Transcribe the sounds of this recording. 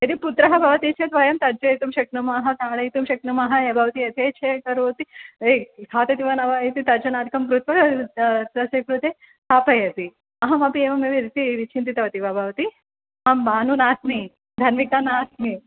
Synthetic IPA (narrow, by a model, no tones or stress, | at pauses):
ɐt̪iput̪ɾɐɦɐbʱɐʋɐt̪it͡ʃʰɐt̪ʋɐjɐmt̪ɐɾd͡ʒɐit̪umʃɐk̚numɐɦɐt̪aːɭɐjit̪umʃɐk̚numɐɦɐjɐbʱɐʋɐt̪iɐt̪ʰeːt͡ʃʰekɐɾoːt̪iek̪ʰaːt̪ɐt̪iʋɐnɐʋaːjit̪it̪ɐɾd͡ʒɐnaːd̪ʱikɐmkɾut̪ʋɐ | sɐsɐkɾut̪eː | t̪ʰaːpɐjɐt̪i | ɐɦɐmɐpieːʋɐmeʋiɾit̪iɾit͡ʃʰint̪it̪ɐʋɐt̪iʋɐbʱɐʋɐt̪i | ɐmbaːnunaːsmi | d̪ʱɐnmikɐnaːsmi